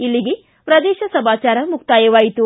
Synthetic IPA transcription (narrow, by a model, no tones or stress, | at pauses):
ilːiɡe | pɾɐd̪ɛːʃɐsɐbaːt͡ʃaːɾɐmukt̪aːjɐʋaːjit̪u